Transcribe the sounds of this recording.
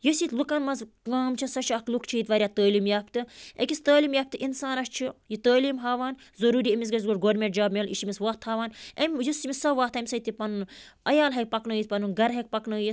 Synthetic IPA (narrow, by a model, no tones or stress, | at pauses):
jɐsiːt̪lukɐnmɐz | kaːmt͡ʃʰisɐt͡ʃʰiɐklukt͡ʃʰiit̪ʋɐːɾʲjaːt̪əːliːmjaːpt̪ɨḛkʲist̪əːliːmjaːp̚t̪ɨʔinsaːnɐʃt͡ʃʰijit̪əːliːmɦaːʋaːnzɐɾuːɾiemʲis̬ɡɐz̬ɡoʈɡoːɾmʲeʈ̚d͡ʒaːbmʲelḭʃimʲisʋɐht̪haːʋaːnemʲjɐsimʲisɐʋaːht̪ʰɐmʲsɐit̪ipɐnunɐjaːlɦɐk̚pɐknəːjit̪pɐnunɡɐɾɦɐk̚pɐknəːjit̪